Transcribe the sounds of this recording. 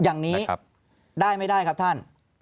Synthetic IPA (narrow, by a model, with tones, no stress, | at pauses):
jaː˨˩ŋniː˦˥˦ | daː˥˩jma˥˩jdaː˥˩jkʰa˦˥p̚t̪ʰa˥˩n